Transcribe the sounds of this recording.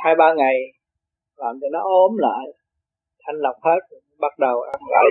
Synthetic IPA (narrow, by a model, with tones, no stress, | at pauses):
haː˧jɓaː˧ŋa˨˩j | laː˨˩mt̪i˨˩nɔ˨˦ʔo˧˦mla̰ː˧˨j | ʔa˧ŋla˨˩wk͡p̚he˦˥t̚ | ɓa˦˥t̚ɗə˨˩wʔa˧nɣɔ̰ː˧˨˩